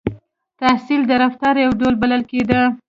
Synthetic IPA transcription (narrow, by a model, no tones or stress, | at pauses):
t̪asild̪əɾaft̪ɑɾjawɖolbaləlked̪ə